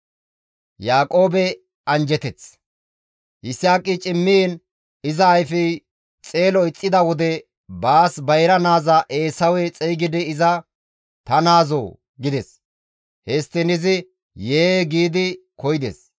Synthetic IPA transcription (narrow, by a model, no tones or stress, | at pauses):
jaːkʼo̞ːbɛ | ɐnd͡ʒɛt̪ɛt͡s | ʔɪsːaːkʼːɪt͡ʃʼɪmːin | ɪzɐːjfɪ | t͡sʼeːlɔɪt͡sʼːɪd̪ɐwɔd̪ɛ | baːsbɐjɾɐnaːzɐʔeːsɐwɛt͡sʼɛjɡɪd̪ɪːzɐ | t̪ɐnaːzo̰ː | ɡɪd̪ɛs | hɛst̪ːɪnɪzɪ | jeːɡiːd̪ɪkɔjɪd̪ḛs